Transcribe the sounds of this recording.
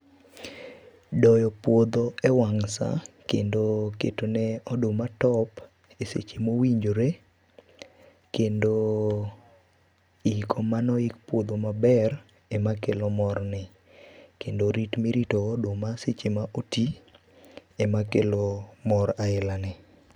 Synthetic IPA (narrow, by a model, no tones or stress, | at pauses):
dɔjɔpwod̪oɛwaŋsa̰kḛndokḛtonɛɔdomatɔp | esḛt͡ʃemowiɲd͡ʒoɾe | kendo | ikʰomanɔɪkpwod̪omabɛr | ɛmakelomɔrnɪ | kendoɾitmiɾitoːdomaset͡ʃemaʔoti | ɛmakelomɔɾaɪlanɪ